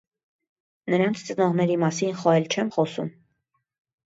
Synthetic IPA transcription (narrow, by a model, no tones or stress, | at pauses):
nəɾɑnt͡sʰt͡sənɑʁnɛɾimɑsinχɔɛlt͡ʃʰɛmχɔsṵm